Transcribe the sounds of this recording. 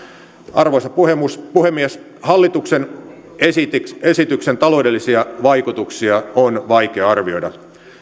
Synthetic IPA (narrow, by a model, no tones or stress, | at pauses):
ʔɑrʋosɑpuhemuspuhemːiæs | hɑlːit̪uksen | esit̪esit̪yksent̪ɑlo̞ːde̞lːisiɑʋɑikut̪uksiɑonʋɑikeɑɑrʋio̞idɑ